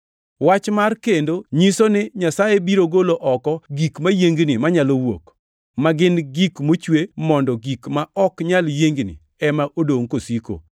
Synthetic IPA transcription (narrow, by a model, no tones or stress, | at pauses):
wat͡ʃmarkendoɲisonɪɲasajebiɾoɡoloʔɔkɔɡikmajeŋɡnimaɲalowo̰k | maɡɪnɡikmot͡ʃwemɔndɔɡikmaɔkɲaljeŋɡnɪ̰ | ɛmaʔodoŋkosiko̰